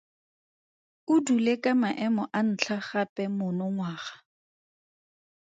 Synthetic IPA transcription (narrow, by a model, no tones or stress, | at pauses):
ʊdulekʼamaʔɛmɔʔan̩t͡ɬʰaχapʼɛmʊnɔŋwaːχḁ